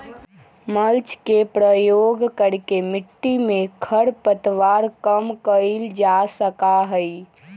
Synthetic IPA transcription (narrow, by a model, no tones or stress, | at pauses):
məlt͡ʃkepɾəjoɡkəɾkemiʈːimekʰəɽpət̪ʋaɾkəmkəɪld͡ʒasəkaɦəj